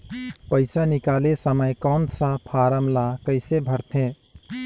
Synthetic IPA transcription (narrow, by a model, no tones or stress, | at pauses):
pəɪsanikalesəməjkɔnsapʰaɾəmlakəɪsebʱəɾt̪ʰẽ